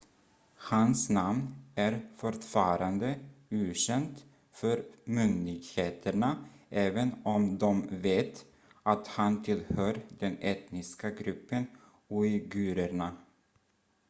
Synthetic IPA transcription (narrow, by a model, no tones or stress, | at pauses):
hansnamnæɾfɔʈfɑːɾand̪əʉːɕɛnt̪ | fœɾmʏnd̪ɪɡheːt̪ʰəɳaʔɛːvənɔmd̪ɔmveːt̪ | ʔat̪hant̪ʰɪlhœːɾd̪ɛnɛt̪nɪskaɡɾɵpːən | uɪɡʉːɾəɳa